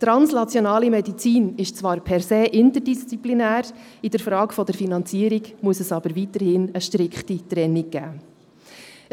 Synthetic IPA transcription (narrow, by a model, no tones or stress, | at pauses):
t̪ɾɑnsnɑt͡sjɔnɑːlimɛdit͡siːnɪʃt͡sʋɑːɾpʰɛɾseːʔɪntəɾdist͡siplinæːɾ | id̥əɾfɾɑːkfɔd̪əɾfinɑnt͡siəɾiɡmuəsɛsɑb̥əɾʋit̪əɾhɪnəʃtɾɪkχtitɾɛnːiɡ̚ɡ̥æ̰ː